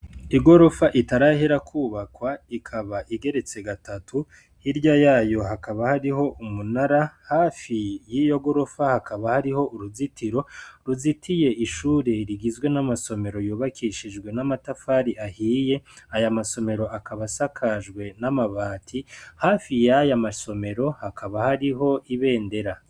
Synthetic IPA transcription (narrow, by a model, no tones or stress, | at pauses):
iɡo̞ɾo̞faʔitaɾaheɾakʰuːβakwaikʰaβaʔiɡe̞ɾe̞t͡se̞ɡatʰatʰu | hiɾɟajaːjo̞hakaβahaɾiho̞ʔumunaɾahaːfijijo̞ɡo̞ɾo̞fahakaβahaɾiho̞ʔuɾuzitʰiɾo̞ɾuzitʰije̞ʔiʃuːɾe̞ɾiɡizɡwe̞namaso̞me̞ɾo̞juːβakʰiʃid͡ʒɡwe̞namatafaːɾiʔahiːje̞ajamaso̞me̞ɾo̞ʔakʰaβasakʰaʒɡwe̞namaβaːtʰihaːfijajamaso̞me̞ɾo̞hakʰaβahaɾiɦo̞ʔiβe̞ːnde̞ɾa